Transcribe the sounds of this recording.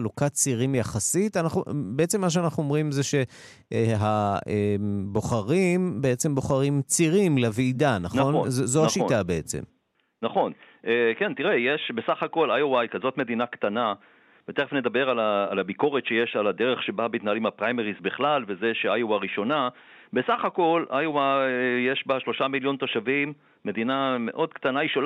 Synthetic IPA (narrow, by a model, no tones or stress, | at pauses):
lukat͡siʁimjaχasit̪anaχubeet͡semːaʃ̬anaχnuomʁimzeʃe̞ | ɦaebo̞χaʁimbe̞et͡se̞mbo̞χaʁimt͡siʁimleviːdanaχo̞nzozoaʃitabeet͡sḛm | naχo̞n | ʔekent̪iʁejeʃbesaχako̞lajowajkazo̞t̪me̞d̪inakt̪ana | b̥et̪eʁfnedabeʁalaːlabiko̞ʁetʃejeʃalad̪eʁe̞χʃe̞babeit̪naalimhapʁajmeʁizbeχlalve̞ze̞ʃeajowaʁiʃo̞na | besaχako̞lajowajeʃbaʃlo̞ʃamiljo̞nt̪o̞ʃavimː | e̞d̪iname̞̰ʔo̞d̪kt̪anaiʃol